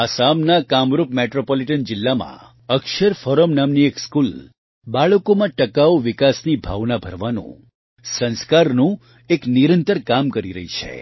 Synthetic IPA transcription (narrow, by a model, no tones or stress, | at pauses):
asamnakamɾopmeʈɾopoliʈənd͡ʒɪlːamã̰ | əkʃəɾfɔɾəmnamniekskul | baɭəkomãʈəkaʋoʋikasnibʱa̰ʋnabʱəɾʋanṵ̃ | sə̃nskaɾnũ | ekniɾə̃nt̪əɾkamkəɾiɾə̰ɦit͡ʃʰḛ